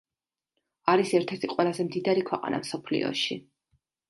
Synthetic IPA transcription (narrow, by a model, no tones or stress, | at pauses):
aɾisɛɾt̪ʰɛɾt̪ʰiqʼwɛlˠazɛmd̪id̪aɾikʰwɛqʼa̰na̰msɔpʰlḭɔ̰ʃi